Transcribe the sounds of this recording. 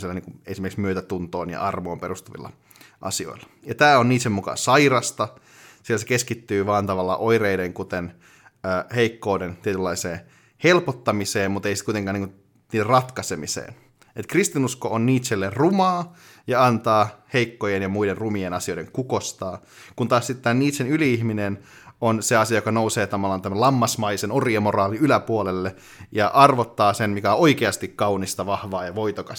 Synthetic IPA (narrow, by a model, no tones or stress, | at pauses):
silːæniːŋkuesimerkiksmyøt̪æt̪unt̪oːnjɑ̰ʔɑrmoːmperust̪uʋḭlːɑ̰ | ʔɑ̰sio̰ilːɑ | jɑt̪æːoniːt̪semukɑ̰sɑirɑst̪ɑ | silæsekeskit̪ːyːʋɑːnt̪ɑʋɑlːɑ̰ʔoireideŋkut̪en | øːheikːoːdent̪iet̪ylːɑiseː | helpot̪ːɑmiseːmmut̪eisi̥t̪kuit̪eŋkɑːniŋku | niːderrɑt̪kɑsemisḛːn | et̪krist̪inuskoonniːt̪ʃelːerrumɑː | jɑɑnt̪ɑːheikːojenjɑmuiderrumienɑsio̞jdeŋkukost̪ɑː | kunt̪ɑːsit̪t̪æːnniːt̪ʃenyliiçminen | onseɑsiɑjokɑnouseːt̪ɑmɑlːɑnt̪æmælɑmːɑsmɑisenoriemorɑːliylæpuolelːe | jɑʔɑrʋot̪ːɑːsenmikæooikeɑst̪ikkɑunist̪ɑʋɑhʋɑːjɑʋoit̪okɑs